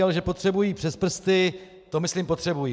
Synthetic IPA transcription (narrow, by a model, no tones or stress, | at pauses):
ɛlʒɛpot̪r̝̥ɛbujiːpr̥ɛspr̩st̪ɪ | t̪o̞mɪslimpo̞t̪r̥ɛbujiː